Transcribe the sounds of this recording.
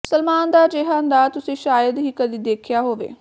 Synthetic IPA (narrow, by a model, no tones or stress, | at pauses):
səlmaːnd̪aːd͡ʒeːɦãːnd̪aːt̪ʊsĩːʃaːjəd̪ɦiːkəd̪iːd̪eːkʰjaːɦoːʋḛː